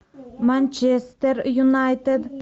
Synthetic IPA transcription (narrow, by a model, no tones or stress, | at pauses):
manʲt͡ʃest̪eɾjunajt̪ed̪